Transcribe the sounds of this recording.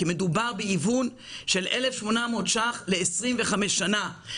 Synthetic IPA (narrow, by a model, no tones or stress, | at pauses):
eme̞dubaʁbeivun | ʃe̞lʔelefʃmo̞namodʃaχle̞ːsʁimveχameʃːana